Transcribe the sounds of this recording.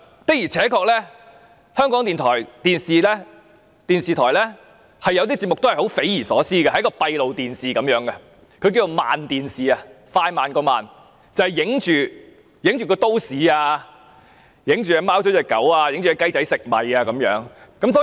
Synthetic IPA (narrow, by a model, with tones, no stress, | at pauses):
t̪ɐ˥k̚jiː˨˩t͡sʰɛː˨˥kɔː˧k̚lɛː˥ | hœː˥ŋkɔː˨˥ŋt̪iː˨nt̪ʰɔː˨˩jt̪iː˨nsiː˨lɛ˥ | t̪iː˨nsiː˨t̪ʰɔː˨˩jlɛː˥ | hɐ˨jːɐ˧wt̪iː˥t͡si˧p̚mʊ˨k̚t̪hjho˨˥wfe˨˥jiː˨˩sɔː˨˥siː˥ɡɐ˧hɐ˧jkɔː˧pɐ˧jlo˨wt̪iː˨nsiː˨kɐ˨˥mjœː˨˥ŋɡɐ˧ | kʰɵ˧k̬iː˧t͡so˨˧wma̰ː˨nt̪iː˨nsiː˨˩a˧ | faː˧jmaː˨nkɔː˧ma̰ː˨n | t͡sɐ˨hɐ˨jɪ˨˥ŋt͡ʃyː˨ | jɪ˨˥ŋt͡ʃyː˨kɔː˧t̪o˥wsiː˨aː˧ | jɪ˨˥ŋt͡ʃyː˨jɐ˨˩maː˥wɔ˨˥t͡sɛ˨˩kɐ̰˨˥waː˧jɪ˧˥ŋt͡ʃyː˨jkɐ˥jt͡sɐ˨˥jsɪ˨k̚mɐ˨˩jaː˧kɐ˨˥mjœ̰ː˨˥ŋkɐ˨˥mt̪ɔ˥